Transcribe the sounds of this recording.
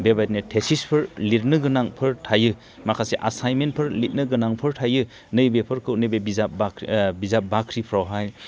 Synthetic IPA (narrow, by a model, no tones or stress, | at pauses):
bebajtnetʰesispʰɯɾlit̚nɯɡɯnaŋpʰɯɾtʰajɯ | makʰaseʔasajmenpʰɯɾlit̚nɯɡɯnaŋpʰɯɾtʰajɯ | nɯjbepʰɯɾkʰɯwnɯbebizapbakbizap̚bakʰɾipʰɾawɦaj